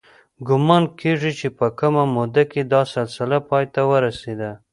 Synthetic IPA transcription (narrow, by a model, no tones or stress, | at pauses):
ɡʊmɑnkʰeʐit͡ʃepəkəmamod̪aked̪ɑsalsɪlapɑjt̪awəɾased̪a